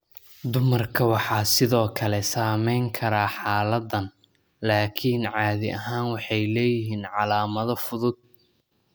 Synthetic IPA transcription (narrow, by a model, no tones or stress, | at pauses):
d̪ʊmɐrkʰɐwɑħɑːsɪðɔːkʰɐlɛsaːmɛjŋkʰɐɾaːħɑːlɐd̪ɐn | laːkʰiːnʕɑːðɪʔɐɦaːnwɑħɑjlɛːjɪɦiːnʕɑlaːmɐðɔfʊðʊd̪̚